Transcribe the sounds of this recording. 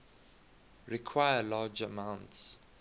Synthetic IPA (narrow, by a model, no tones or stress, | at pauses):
ɹikʰwaɪəlaːd͡ʒəmãʊ̃nts